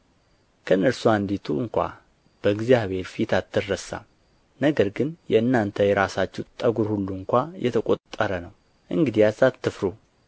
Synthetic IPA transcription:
kʰənːəɾsuand̪it̪ʰuɨŋkʷa̰ | b̥əɡzjaβhe̞ɾfit̪ʰat̪ːɨrːəsa̰ | nəɡəɾɡɨnjɛɨnːant̪ʰəjɛɾasat͡ʃːɛwt̪ʼəɡuɾhulːuɨŋkʷajɛt̪ʰəkʼot̪ʼːəɾənəw | ʔɨŋɡɨd̪ijazat̪ːɨfɾu

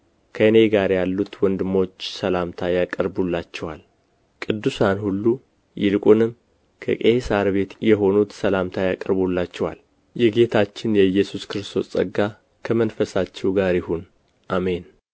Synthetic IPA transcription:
kʰəɨne̞ɡaɾjalːut̪wɔnd̪ɨmːo̞t͡ʃːsəlamt̪ʰajakʼəɾbulːat͡ʃːɛwal | kʼɨd̪ːusanhulːu | jɪlkʼunɨm | kʰə̰kʼesaɾβe̞t̪jɛɦo̞nut̪səlamt̪ʰajakʼəɾbulːat͡ʃːɛwa̰l | jɛɡe̞t̪ʰat͡ʃːɪnjɛjɛsuskɨɾɨst̪ʰo̞sʼə̰ɡːa | kʰəmənfəsat͡ʃːɛwɡaɾjɪhun | ʔame̞n

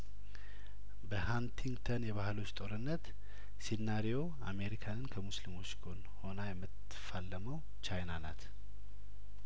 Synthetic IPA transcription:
bəhant̪ʰiŋɡt̪ʰənjɛβahɨlo̞t͡ʃːt̪ʼo̞ɾɨnːət̪ | sinnːaɾijo̞ | a̰me̞ɾikʰanɨnkʰəmuslimo̞t͡ʃːɡʰo̞n | ho̞najɛmːɨt̪ | falːəməw | t͡ʃajnanat̪

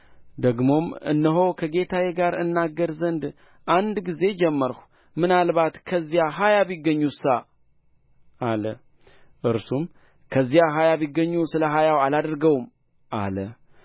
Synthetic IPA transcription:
d̪əɡmo̞mɨ̰nːəɦo̞kʰəɡe̞t̪ʰajeɡaɾɨnːaɡːəɾzənd̪ | ʔand̪ɡize̞d͡ʒɛmːəɾhʷu | mɨnalβat̪kʰəzːijaɦajaβiɡəɲːusa | alə | ʔɨɾsum | kʰəzːijaɦajaβiɡːəɲːusɨləɦajawalad̪ɾɡəwm | ʔa̰lə

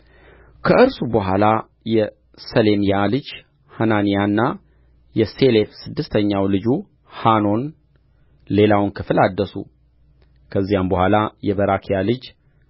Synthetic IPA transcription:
kʰəʔɨɾsubəɦʷala | jɛ | səle̞mijalɨd͡ʒ | hananijanːa | jɛse̞lefsɨd̪ːɨst̪ʰəɲːawlɨd͡ʒu | hano̞n | le̞lawnkʰɨflad̪ːəsṵ | kʰəzːijambəhʷalajɛbəɾakʰijalɨd͡ʒ

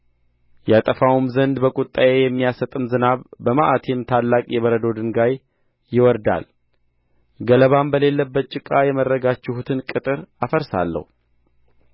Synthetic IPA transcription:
jat̪ʼəfawumzənd̪bəkʼut̪ʼːajejɛmːijasət̪ʼɨmzɨnaβbəmaʔat̪ʰemt̪ʰalːakʼjɛβəɾəd̪od̪ɨŋɡaj | jɪwɔɾd̪a̰l | ɡələβambəle̞lːəbːət̪̚t͡ʃʼɪkʼajɛmərːəɡat͡ʃːɪhut̪ʰɨnkʼɨt̪ʼɨɾafəɾsa̰lːə̰hu

